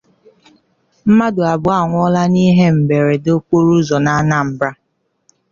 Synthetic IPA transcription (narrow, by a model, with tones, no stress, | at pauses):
m̩˦ma˦dʊ˨a˨bʊ˨a˦˨ŋʷ˦ɔ˦la˦ni˦ɦe˦m̩˨be˨ɾe˨do˦k͡po˦ɾu˦zɔ˨na˦na˦˨m̩˨bɾa˦